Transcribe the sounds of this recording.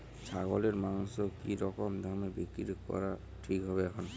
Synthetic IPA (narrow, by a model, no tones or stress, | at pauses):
t͡ʃʰaɡɔlɛɹmaŋsɔkiɾɔkɔmd̪ʱamebikiɾkɔ̰ɹa | ʈʰikɦɔβɛkʰɔn